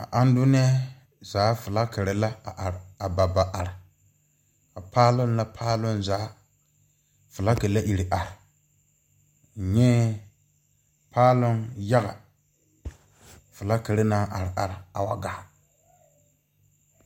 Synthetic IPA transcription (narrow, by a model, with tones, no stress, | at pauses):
a̰˨ʔa˦n˦dʊ˦nɪ˦a˦ | zaː˨˦fʊ˨la˦ke˨ɾɪ˨la˦a˨ʔa˨ɾa˨ba˨ba˨ʔa˨ɾɪ˨ | a˨paː˦lʊ˦nla˦pʰaː˦lʊ˦nzaː˨˦ | fʊ˨la˦ke˨la˦ʔi˨ɾi˨ʔa˨ɾɪ˨ | ɲɛ˦ | pʰaː˦lʊ˦nja˦ɣa̰˨ | fʊ˨la˦ke˨ɾɪ˦naː˦ʔa˨ɾɪ˨ʔa˨ɾɪ˨a˨wa̰˨ɡaː˦˨